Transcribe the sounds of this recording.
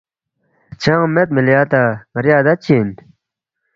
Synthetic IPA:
t͡ɕʰaŋmat̪̚məljat̪aŋɾjad̪at͡ɕʰin

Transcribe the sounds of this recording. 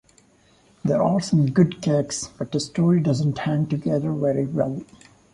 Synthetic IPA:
d̪əɾɔlsʌ̃mɡʊɖkʰæksb̥ʌʈ̚d̪əsʈoːɹiɖʌzə̃nʈhæ̃ŋʈuɡɛd̪ə˞ʋɛɾiwɛlˠ

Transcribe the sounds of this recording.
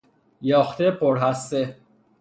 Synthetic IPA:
jɒːxt̪epʰoɾɦæse

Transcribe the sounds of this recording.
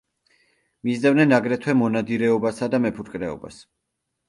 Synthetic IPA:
mizd̪avnɛnaɡɾɛt̪ʰwɛmɔnad̪iɾɛɔbasad̪amɛpʰuɾkʼɾɛɔ̰ba̰s

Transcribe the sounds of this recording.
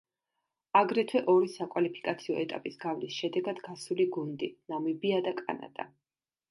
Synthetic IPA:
aɡɾɛt̪ʰwɛʔɔɾisakʼwalipʰi̥kʼat̪sʰiɔɛt̪ʼapʼisɡavlisʃɛd̪ɛɡad̪ɡasuliɡund̪inamibiad̪akʼa̰na̰d̪̥ʼa̰

